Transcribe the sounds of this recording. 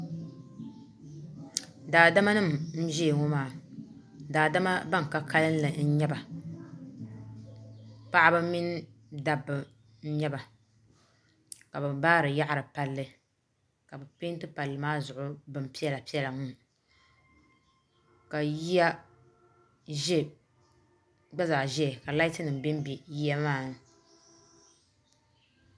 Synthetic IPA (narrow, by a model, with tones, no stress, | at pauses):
daː˨da˦ma˦nɨ˦˨m̩˨n̩˦d͡ʒi˦e˨ŋɔ˦maː˨ | daː˨da˦ma˦ba˦ŋ˨ka˨˦ka˦lɨ˦n˦lɨ˨n̩˦ɲɛ˦ba˨ | pa˦ʔa˦bɨ˦mi˦n˦da˨bːɨ˨ | n̩˦ɲɛ˦ba˨ | ka˨bɨ˨mbaː˦ɾɨ˨ja˦ʔa˨ɾɨ˨pa˦lːɨ˦ | ka˨bɨ˨pe˦n˦tɨ˦pa˨lːɨ˨maː˦zʊ˨ʔʊ˦bɨ˨m˨pi˦ɛ˦la˨pi˦ɛ˦la˨ŋu˦ | ka˨ji˦ja˦ | ʒɛ˦ | ɡ͡ba˦za˨ʒɛ˦˨ka˨la˦ɪ˦tɨ˦nɨ˨m˨bɪ˦m˦bi˨ji˦ja˦maː˦˨n˨